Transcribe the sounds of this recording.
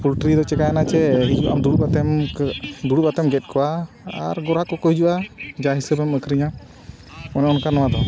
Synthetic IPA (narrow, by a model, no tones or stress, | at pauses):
pʰulʈɾid̪ɔt͡ʃɛkajanat͡ʃɛɦid͡ʒuʔa̰md̪uɽubat̪ɛm | d̪uɽubat̪ɛmɡɛt̪̚kʰɔwa | a̰ɾɡɔɾakɔkɔid͡ʒuʔad͡ʒaɦisəbɛməkʰɾiɲa | ɔnɛɔnkanɔwad̪ɔ